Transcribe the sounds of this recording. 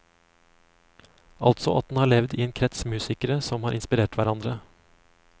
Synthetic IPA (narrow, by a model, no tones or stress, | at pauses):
ʔɑ̰lt̪sɔ̰ʔɑ̰t̪̚d̪n̩hɑːɭɛʋd̪iːeːnkʰɾɛt̪smʉːsɪkəɾəsɔmhɑːɾʔɪnspɪɾeːʈʋæɾɑnd̪ɾə